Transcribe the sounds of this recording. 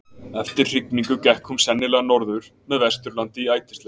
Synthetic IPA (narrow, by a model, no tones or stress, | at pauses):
ɛft̪ɪɾ̥r̥ɪk̚niŋkʏcɛhkʰhʏmsɛnːɪlɛɣanɔɾðʏɾ̥ | mɛðvɛst̪ʏɾlant̪ɪiaːjt̪ɪ̥st̪ɛ